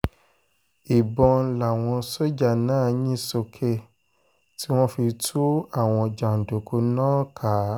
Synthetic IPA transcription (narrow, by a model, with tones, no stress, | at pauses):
i˨bɔ̃˧la˨w̃ɔ̃˧so˦d͡ʒa˦˨nãː˦˨ɲĩ˦so˧kʰe˧ | ti˦w̃ɔ̃˦fi˧tʰu˦a˦˨w̃ɔ̃˧˨d͡ʒa˨n̩˨do˨kʰo˧˦nãː˦kʰa˨˦